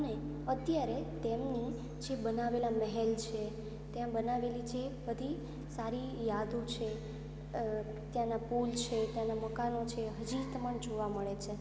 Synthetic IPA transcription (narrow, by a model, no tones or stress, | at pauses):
əne | ət̪jaɾet̪emni | d͡ʒebənaʋelaməɦɛlt͡ʃʰe | t̪jãbənaʋelid͡ʒʰebəd̪ʱi | saɾijad̪ʱot͡ʃʰe | t̪jãnapult͡ʃʰet̪jãnaməkanot͡ʃʰeɦəd͡ʒit̪məɳd͡ʒoʋaməɭet͡ʃʰe